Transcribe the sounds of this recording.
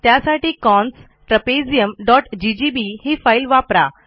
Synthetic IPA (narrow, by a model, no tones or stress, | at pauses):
t̪jasaʈiːkɔ̃ns | ʈɾəped͡zijəmɖɔʈd͡ʑid͡ʑibihifailʋapɾa